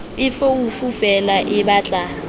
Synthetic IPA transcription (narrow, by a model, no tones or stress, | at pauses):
ɪfoufuvɛlaʔɪɓaːt͡ɬʼa